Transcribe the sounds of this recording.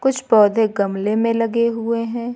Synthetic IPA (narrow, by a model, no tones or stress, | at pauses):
kʊt͡ʃʰbɔːd̪ʱeɡɐmlemẽlɐɡeɦʊeɦɛ̃ː